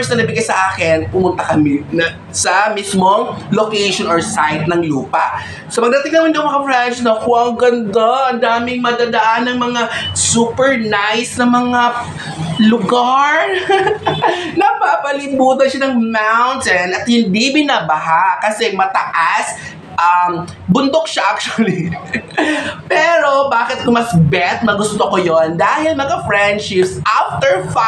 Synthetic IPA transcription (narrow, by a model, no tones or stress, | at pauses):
snɐnɐbɪɡkɐsɐʔaːkɪnpʊmʊnt̪ɐkɐmɪnɐ | sɐmismoŋlokɛjʃonʔoɹsajdt̪̚nɐŋluːpɐʔ | sopɐɡ̚d̪ɐt̪ɪŋnɐmɪnd̪oʔɐŋmɐŋɐflɛʃnɐkʊɐŋɡɐnd̪aʔɐnd̪aːmɪŋmɐd̪aːd̪ɐʔanɐŋmɐŋasuːpɛɹnajsnɐmɐŋa | lʊɡaɹ | nɐpaːpɐlɪbuːt̪̬ɐnʃanɐŋmawnt̪ɛnɐt̪̚hɪnd̪ibɪnaːbɐɦakɐsɛmɐt̪ɐ̰ʔas | ʔɐm | bʊnd̪ok̚ʃaʔak̚t͡ʃʊɐli | pɛːɾo̞baːkɪt̪̚kʊmɐsbɛt̪̚mɐɡʊst̪okojond̪aːhɪlmɐŋafɹɛnd̪ʃɪpsʔaft̪ɛɹfa